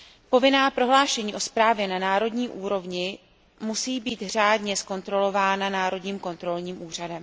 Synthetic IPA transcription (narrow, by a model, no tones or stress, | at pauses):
po̞vɪnaːpɾo̞ɦlaːʃɛɲiːʔo̞spɾaːvjɛnanaːɾo̞dɲiːʔuːɾo̞vɲɪ | musiːbiːt̪r̝aːdɲɛsko̞nt̪ɾo̞lo̞vaːnanaːɾo̞dɲiːmko̞nt̪ɾo̞lɲiːmʔuːr̝adɛm